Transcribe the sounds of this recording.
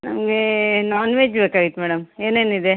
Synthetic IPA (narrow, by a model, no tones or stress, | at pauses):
nɐ̰mɐɡenaːnʋeːd͡ʒbeːkaːɡit̪ːemɛːɽɐmeːneːnid̪e